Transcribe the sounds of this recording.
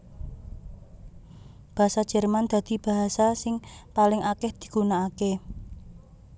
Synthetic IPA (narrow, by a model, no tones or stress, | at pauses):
b̥a̤ɦasad̥ʒ̥ɛ̤rmand̪̥ä̤d̪̥i̤b̥a̤ɦasasɪŋpalɪŋʔakɛhd̪̥i̤̥ɡ̥unaːke